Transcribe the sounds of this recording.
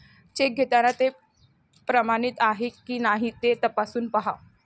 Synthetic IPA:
t͡ɕeɡʱet̪anat̪e | pɾəmañit̪aɦekiːnaɦit̪et̪əpasuːnpaɦa

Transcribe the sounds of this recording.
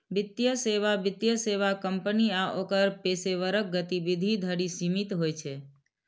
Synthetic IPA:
bɪt̪jəseʋabɪt̪jəseʋakəmpəniaʔokəɾpeseʋəɾək̚ɡət̪iʋid̪ʱid̪ʱəɽisimit̪ɦojt͡ʃʰe

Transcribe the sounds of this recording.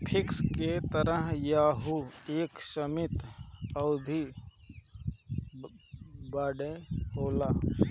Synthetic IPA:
pʰɪksket̪əɾəɦjaːɦueːksəmɪt̪əʊd̪ʱi | baːɖeɦoːlaː

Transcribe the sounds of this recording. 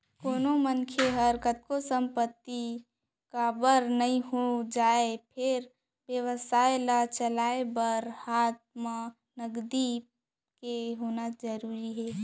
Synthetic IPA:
koːnomənkʰeɦəɾkət̪̚kosə̃mpət̪ːi | kabəɾnəɦĩɦod͡ʒaːepʰɪɾ | bjəʋəsaːelat͡ʃəlaːebəɾhaːt̪̚ma | nəɡd̪i | keɦoːnad͡ʒəɾuːɾiɦɛː

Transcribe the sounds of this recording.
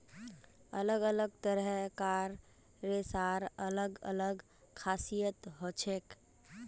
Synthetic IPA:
ələɡələɡ̚t̪əɾɦkaːɾː | esaːɾələɡə̰ləɡ | kʰaːsijət̪ɦot͡ʃʰek

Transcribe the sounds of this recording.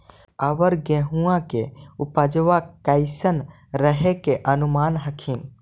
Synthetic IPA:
əʋəɾɡeɦũãkeupəd͡ʒʋakaɪsən | ɾəɦekeʔənumanɦəkʰin

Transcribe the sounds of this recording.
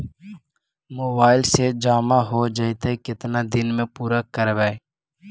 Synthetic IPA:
moːbaːɪlsed͡ʒaːmaɦoːd͡ʒɐjt̪eikɪt̪nad̪ɪnmẽpuːɾakəɾʋɛe

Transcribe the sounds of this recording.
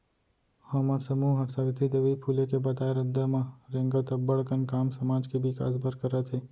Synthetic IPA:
hɐməɾsəmuːɦɐɾsaɾɪt̪ʰid̪ɐʋipʰuːlekebɐt̪aːeɾɐd̪əmãɾẽːŋɡət̪ɐbəɽkənkaːmsɐmaːd͡ʒkibʱika̰ːsbəɾkəɾət̪ʰeː

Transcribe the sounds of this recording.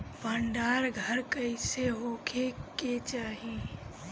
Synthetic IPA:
pəɳɖaːɾɡʱəɾkəɪseɦoːkʰeket͡ʃaːɦĩ

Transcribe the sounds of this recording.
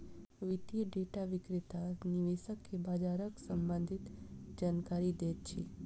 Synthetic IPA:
ʋit̪iəɖeʈaʋikɾit̪aniʋeʃəkːebad͡ʒaɾəksəmbənd̪ʱit̪d͡ʒankaɾid̪et̪t͡ʃʰe

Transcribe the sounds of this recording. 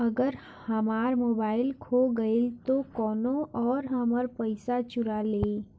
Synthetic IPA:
ɐɡəɾ | hɐmaːɾmoːbaːɪlkʰoɡɐeɪlt̪okɔːnõʔɔːɾɦɐməɾpəɪsat͡ʃʊɾaleː

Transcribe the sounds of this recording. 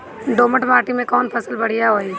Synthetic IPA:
ɖoːməʈmaːʈimẽkɔːnpʰəsəlbɐɽ̤ijaɦoːi

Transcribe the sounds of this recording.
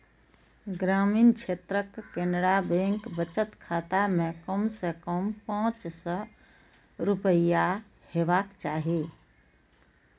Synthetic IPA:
ɡɾamint͡ʃʰet̪ɾəkːenɾabeŋkbət͡ʃət̪kʰat̪amekəmsəkəmpãt͡ʃsə̃ | ɾupəja | hebakt͡ʃaɦi

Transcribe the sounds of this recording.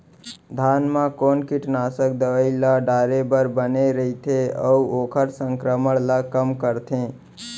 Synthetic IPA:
d̪ʱanmãkonkiʈnasək̚d̪əʋəɪlaɖaɾebəɾbəneɾəit̪ʰeə̰uokʰəɾsəŋkɾəməɽlakəmkəɾt̪ʰẽ

